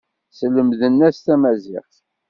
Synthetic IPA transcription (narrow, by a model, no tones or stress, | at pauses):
sələmðənːæst̪æmæzɪ̰ʁθ